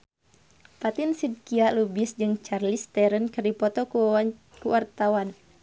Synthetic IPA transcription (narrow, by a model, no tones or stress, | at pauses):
pat̪insid̪̚kialubisd͡ʒɨŋt͡ʃarlist̪ɛɾənkɨrdipɔt̪ɔkuɔa | kuwart̪awan